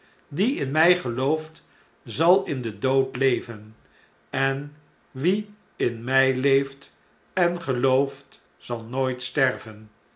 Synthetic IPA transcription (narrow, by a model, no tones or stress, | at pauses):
diɪnmɛjχəlowft | zɑlˠɪndədowtlejvən | ɛn | ʋi | ɪnmɛjlejft | ɛnχəlowft | z̥ɑlˠnojtstɛɹvən